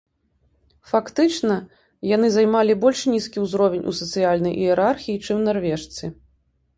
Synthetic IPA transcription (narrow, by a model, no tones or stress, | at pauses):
fakt̪ɨt͡ʂnɐ | jan̪ɨzajmalʲibɔlʲʂnʲiskʲiwzɾɔvʲenʲʔṵsɐt̪sɨjalʲnɐjʔijɛɾarxʲijit͡ʂɨmnarvʲɛʂt̪sɨ